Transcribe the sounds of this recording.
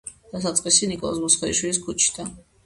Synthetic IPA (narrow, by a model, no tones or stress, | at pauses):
d̪̥asat̪sʼqʼisinikʼɔl̰ˠsmusχɛiʃwilis̬kʰut͡ʃʰi̥d̪a